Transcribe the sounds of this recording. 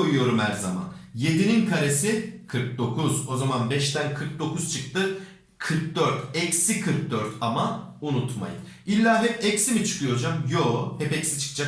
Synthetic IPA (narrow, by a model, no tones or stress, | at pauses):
ojujo̞ɾumhæɾzama̰nje̞d̪ininkʰaɾe̞sikʰɯɾk̚d̪o̞kʰuzo̞zamanbɛʃt̪ænkʰɯɾk̚d̪o̞kʰuz̥t͡ʃʰɯk̚t̪ɯ | kʰɯɾk̚d̪øɾt̪ɛcsikʰɯɾk̚d̪øɾt̪ʰamaunut̪ma̰jɯ̰n | ilʲːaːɦɛpɛcsimit͡ʃʰɯ̥kʰɯjo̞d͡ʒamjoːhɛpɛcsi̥t͡ʃʰɯ̥kd͡ʒa